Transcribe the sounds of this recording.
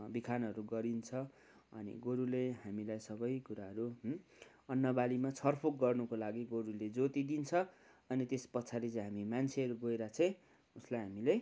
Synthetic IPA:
bikʰanʌɾuɡʌɾint͡sʰʌ | ʌ̰nḭɡoɾuleɦamilajsʌbʌjkuɾaɦʌɾu | ʌnːʌbalimat͡sʰʌrpʰok̚ɡʌrnukolaɡiɡoɾuled͡zot̪id̪int͡sʰʌ | ʌnit̪espʌtːt͡sʰalet͡sʌ̃ɦamimant͡sʰeʌɾuɡojɾat͡sʰʌ̃j̃ | uslajɦamilej

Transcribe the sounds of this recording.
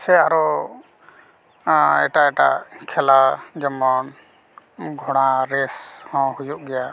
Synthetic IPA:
sɛaɾɔ | ɛʈaɛʈa̰kʰɛlad͡ʒɔmɔn | ɡʱɔɽ̃aɾɛshɔ̃hujuʔɡɛja

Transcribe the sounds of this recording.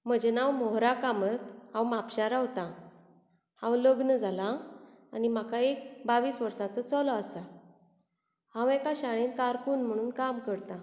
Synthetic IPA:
m̤əd͡ʑenawmɔɦɾakamət̪hãwmapɕaɾaɦot̪ã | hãwləɡnəd͡zʱalaː | nim̤akaek̚baʋiːsʋəɾsat͡sɔt͡sɔlɔasa | hãwɛ̃kaɕaɭ̃iːnkaɾkuːnm̤əɽ̃uːnkamkəɾt̪a

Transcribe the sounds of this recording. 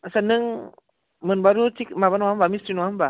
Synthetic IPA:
asanɯŋ | mɯnbaɾut͡ʃik̚mabanwambamisinumba

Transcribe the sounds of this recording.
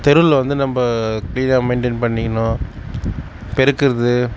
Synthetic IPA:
t̪ɛɾɯlʋɐnd̪ɯnɐmbɐkliːnaːmɐɪɳʈenpɐɳːɪkːɐnõː | pɛɾɯkːɯɾɐðɯ

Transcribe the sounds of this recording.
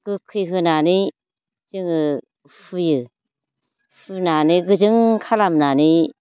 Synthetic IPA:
ɡ̥ɯkʰɯjɦɯnani | zɯŋɯ | fʰujɯ | fɯnaniɡɯzɯŋkʰalamnani

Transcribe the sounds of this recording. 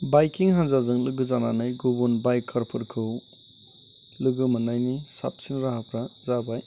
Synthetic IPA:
bajkiŋɦanzazɯŋlɯɡɯzananajɡubunbajkʰːaɾpʰɯɾkʰɯw | lɯɡɯmɯnajnisa̰p̚sinɾaɦapʰɾazabaj

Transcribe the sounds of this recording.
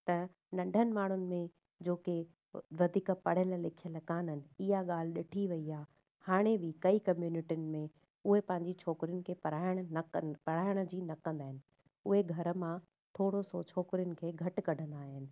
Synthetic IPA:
t̪ɐ | nɐ̃ɳɖʱənɪ̆maːɳ̤ʊnɪ̆mẽ | d͡ʑoːke | ʋɐd̪ʱiːkəpɐɽ̤əllɪkʰijələkaːnənɪ̆ɪɦaɠaːl̤ɪɗɪʈʰiʋɐiaː | haːɽ̃ebʱɪkɐikɐmjuːnɪʈijʊnɪ̆mẽ | ʊɦepɐ̃ɦɪ̃ɲd͡ʑit͡ɕʰɔːkɪɾijʊnɪ̆kʰeːpɐɾaːɪɽ̃̆nɐpɐɽ̤aːɪɽ̃ə̆d͡ʑiːnɐkɐ̃nd̪aːɦɪnɪ̆ | ʊɦeɡʱɐɾə̆mã | t̪ʰoːɽosot͡ɕʰɔːkɪɾijʊnɪ̆kʰeːɡʱɐʈ̆kɐɖʱə̃nd̪aːɦɪnɪ̆

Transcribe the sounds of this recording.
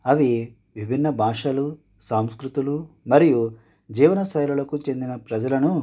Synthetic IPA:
ɐʋi | ʋibʱinːɐbʱaːʂɐlu | sɐmskɾut̪ulu | mɐɾiju | d͡ʒiːʋɐnɐsɐjlulɐkut͡ʃe̞nd̪inɐpɾɐd͡ʒɐlɐnu

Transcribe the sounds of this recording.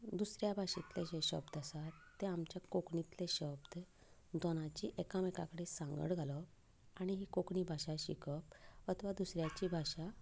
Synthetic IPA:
d̪usɾjabʱaɕit̪leɕɕə̰bd̪asat̪ːeamt͡ɕjakokɳit̪leɕəb̚d̪ | d̪ɔnãt͡ɕiːʔekamekakəɽesãŋɡə̰ɽɡʱalɔ | aɽ̃iɦiːkokɳiːbʱaɕaɕḭkəp̚ət̪ʰʋad̪usɾjat͡ɕiːbʱaɕa

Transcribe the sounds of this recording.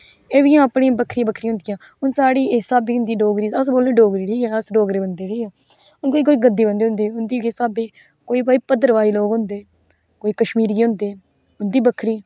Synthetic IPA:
eːʋijãːpɳĩːbəkʰɾibəkʰɾiːɦʊ̃nd̪ɪjãː | ʊnsaːɽiːɪsaːbiːɦʊ̃nd̪iːɖoːɡɾiːəsboːlẽːɖoːɡɾiːɽiːɛːəsɖoːɡɾeːbənd̪eːɽiːɛː | ʊnkoːiːk̬oːiːɡəd̪iːbə̃nd̪eːɦʊ̃nd̪eːʊnd̪iːɪsaːbeː | koːiːbaːiːpəd̪ːəɾʋaːiːloːɡɦʊ̃nd̪eː | koːiːkəʃmiːɾiːɦʊ̃nd̪eː | ʊnd̪iːbəkʰːɾiː

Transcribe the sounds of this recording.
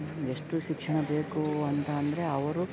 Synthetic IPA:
eʂʈuʃikʂɐɳɐbe̞ːkuɐnt̪ɐːnd̪ɐɾeɐʋɐɾu

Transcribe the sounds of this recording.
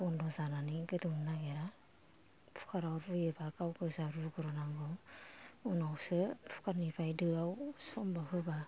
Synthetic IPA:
ɔndɔzananiɡɯdɯŋnaɡeɾa | pʰu̥kʰaɾawɾujɯbakawɡɯzaɾuɡɔɾɔnaŋɡɯ | unawsɯpʰu̥kaɾnipʰajdɯawsɔmbaɦʰɯba

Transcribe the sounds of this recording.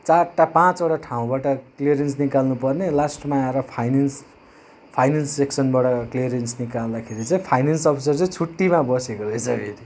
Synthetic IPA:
t͡sarʈapãt͡soʈaʈʰaũbaʈʌkliʌɾjensnikalnupʌrnelasʈmaãɾʌpʰajnans | pʰajnanseksʌnbaʈʌkliʌɾjensnikald̪akʰeɾit͡sʌĩpʰajnansʌpʰisʌrt͡sʌĩt͡sʰuʈːimabʌsekoɾʌjsʌɡʱeɾi

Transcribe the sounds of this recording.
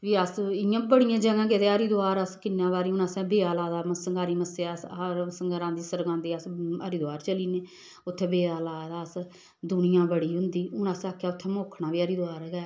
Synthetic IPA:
ʋiːəsɪjãːbəɽɪijãːd͡ʒəɡãːket̪eəɾiːd̪oaːɾəskɪnːãːbaːɾiːʊnəsɛ̃ːbeːaːlaːd̪aːməsəŋɡaːɾiːməseːɾsəŋɡɾãːnd̪iːsəɾɡãːnd̪iːəsə̰ɾiːd̪ʊaːɾt͡ʃəliːneː | ʊt̪ʰːeːbeːaːlaːd̪aːs | d̪ʊnɪjãːbəɽiːɦʊ̃nd̪iːʊnəsaːkʰːjaːʊt̪ʰːɛːmoːkʰnãːʋiːəɾiːd̪oaːɾɡɛː

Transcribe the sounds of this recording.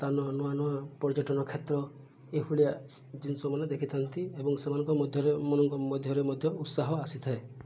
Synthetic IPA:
t̪anɔnɔanɔapɔɾd͡ʒɔʈɔnɔkʰet̪ɾɔ | epʰuɭija | d͡ʒinsɔmaned̪ekʰit̪ʰant̪iebɔŋsemanɔŋkɔmɔd̪ʱjɔɾemɔnɔŋkɔmɔd̪ʱjɔɾemɔd̪ʱjɔut̪saɦɔasit̪ʰae

